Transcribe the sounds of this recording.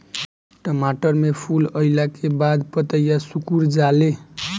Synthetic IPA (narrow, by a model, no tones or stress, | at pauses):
ʈəmaʈəɾmepʰuləɪlakebad̪pət̪əjasukuɾd͡ʒale